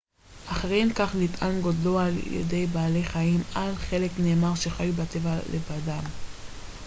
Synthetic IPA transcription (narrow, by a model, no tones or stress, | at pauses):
ʔaχaʁemkaχlitʔanɡodloaljḛde̞jbaːle̞χaimalχe̞le̞kne̞ːmaʁʃe̞χajubat̪evalevadam